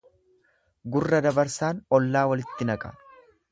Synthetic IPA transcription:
ɡʊrːɐd̪ɐbɐɾsaːnɔlːaːwɐlɪt̪ːɪnɐkʼɐ̰

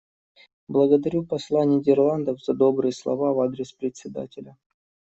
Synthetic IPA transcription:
blˠəɡəd̪ɐɾʲupɐslˠanʲɪdʲɪrlˠand̪əfz̥ɐd̪o̞bɾɨjəslˠɐ̰vavad̪ɾʲɪspɾʲɪt̪ʲsʲɪd̪a̰tʲɪlʲə

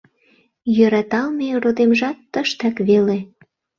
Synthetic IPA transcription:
jøɾɑt̪ɑlmerod̪emʒɑt̪ːəʃt̪ɑkβele

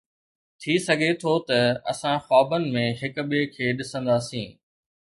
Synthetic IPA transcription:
t̪ʰisɐɡʱet̪ʰot̪ɐɐ̰sãxaːbənɪ̆mẽɦɪkɓekʰeːɗɪsə̃nd̪aːsĩː

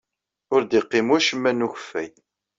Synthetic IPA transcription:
ʊɾd̪iqːɪmwæʃəmːænuçə̥fːæj

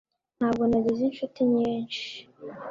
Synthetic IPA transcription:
n̥haːb̚ɡo̞naɟizinʃutiɲiːnʃi

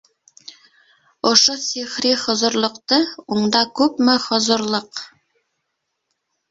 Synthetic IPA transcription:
ŏʃosiχɾiχŏzŏɾlˠŏqt̪ɤuɴd̪ɑkʉpmɘχŏzŏɾlˠɤq

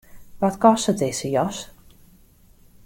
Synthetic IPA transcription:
ʋɔtkɔstətɪsəjɔs

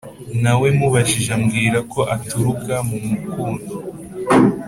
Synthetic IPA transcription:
nawe̞muβaʒiʒamɡiːɾakʰo̞ʔatuɾukʰamumukuːndo

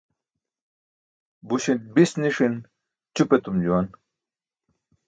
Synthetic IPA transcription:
buɕint̚bisniʂin | t͡ɕupet̪umd͡ʑuwan

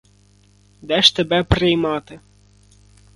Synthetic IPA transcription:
d̪ɛʃt̪ɛbɛpɾɪjmɑt̪ɪ

